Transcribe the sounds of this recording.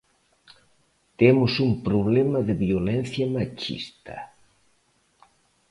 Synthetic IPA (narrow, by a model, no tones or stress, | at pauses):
t̪emʊsumpɾoβlemɐðɪβjolen̟θjɐmat͡ʃḭst̪ɐ̰